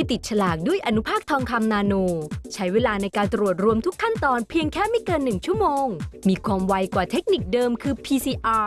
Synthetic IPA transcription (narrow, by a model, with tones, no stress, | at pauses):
tʰiː˧˩t̪i˨˩t̪̚t͡ɕʰa˧laː˨˩k̚du˥˩əjʔa˧nu˦˥pʰaː˥˩k̚t̪ʰɔː˧ŋkʰa˧mnaː˧noː˧t͡ɕʰa˦˥jweː˧laː˧na˧jkaː˧nt̪ɾu˨˩ət̪̚ɾu˧əmt̪ʰu˦˥kʰːa˥˩nt̪ɔː˧npʰi˧əŋkʰɛː˥˩ma˦˥˩jkɤː˧nːɯ˨˩ŋt͡ɕʰu˥˩əmoː˧ŋmiː˧kʰwaː˧mwa˧jkwaː˨˩t̪ʰe˦˥k̚ni˨˩k̚dɤː˧mkʰɯː˧pʰiː˧siː˧ʔaː˧